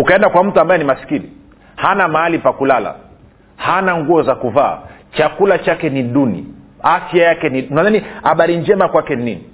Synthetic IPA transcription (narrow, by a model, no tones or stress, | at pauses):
ukaɛndakwam̩tuambajɛnimasi̥kini | hanamaalipakulala̰ | hanaŋɡuɔzakuva̰ː | t͡ʃakulat͡ʃakɛniɗunḭafjajakɛniunanania̰ɓaɾiɲd͡ʒɛmakwakɛninini